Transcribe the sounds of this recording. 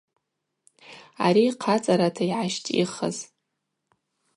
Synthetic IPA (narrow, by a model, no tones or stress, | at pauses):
a̰ɾiqʰat͡sʼaɾatʰaiʕaʃtʼḭχa̰z